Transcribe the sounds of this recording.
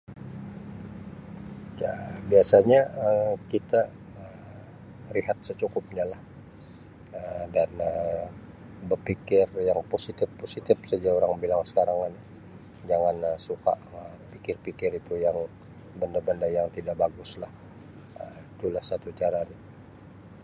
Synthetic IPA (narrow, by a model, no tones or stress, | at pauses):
jabiasaɲaəkit̪a | ə | riɦat̪̚sət͡ʃukʊp̚ɲalah | ədanə | bərpikɪrjaŋposit̪ɪfosit̪ɪfsəd͡ʒaoɾaŋbilaŋsə̥kaɾaŋani | d͡ʒaŋanəsuka̰ʔə | pikɪrpikɪɾit̪ujaŋ | bəndabəndajaŋt̪idaʔbaɡʊslah | əit̪ulahsat̪ut͡ʃaɾani